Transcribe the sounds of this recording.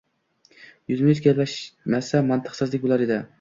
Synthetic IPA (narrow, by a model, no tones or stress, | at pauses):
jyzmɪyt̪ʲɡʲallæʃmæsamant̪ʰɨ̥qsɨzlˠɪk̚ʲblˠaɾed̪ɪ